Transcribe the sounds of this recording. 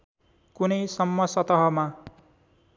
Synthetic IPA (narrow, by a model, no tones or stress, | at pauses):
kunʌjsʌmːʌsʌt̪ʌɦʌma